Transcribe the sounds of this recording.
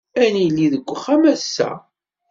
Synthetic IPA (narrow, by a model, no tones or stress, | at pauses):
ænilːiðəɡʷːəχæmæsːæ̰